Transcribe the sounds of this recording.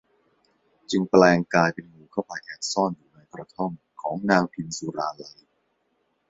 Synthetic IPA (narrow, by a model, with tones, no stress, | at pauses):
t͡ɕɯ˧ŋplɛː˧ŋkaː˧jpe˧nmuː˧˩kʰa˥˩wpa˧˩jʔaː˨˩k̚sɔː˥˩njuː˨˩na˧jkɾa˧t̪ʰo˥˩ŋ | kʰɔː˩˦ŋnɛː˧wkʰi˧nsuː˧ɾaː˧la˧j